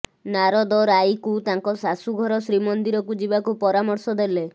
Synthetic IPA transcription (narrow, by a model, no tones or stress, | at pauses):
naɾɔd̪ɔɾajkut̪aŋkɔsasuɡʱɔɾɔsɾimɔnd̪iɾɔkud͡ʒibakupɔɾamɔɾsɔd̪ele